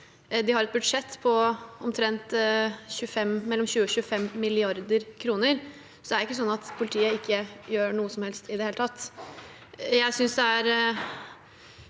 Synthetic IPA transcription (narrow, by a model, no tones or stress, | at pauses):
d̪ɪhɑɾɛt̪̚bʉd̪ʂɛt̪ːpʰɔɔmt̪ʰɾɛnt̪çʉːfɛmmɛlːɔmɕʉːəɔɕʉːəfɛmːɪlɪɑɾd̪əɾkʰɾuːnəɾ | sɔd̪ɛæɾɛɪkːəsɔnːɑt̪pʰʊlɪt̪ʰiːəɪkʰːəjøːɳuːəsɔmhɛlst̪ɪd̪ɛheːlət̪ʰɑt̪ː | jæɪsʏnsd̪ɛæɾ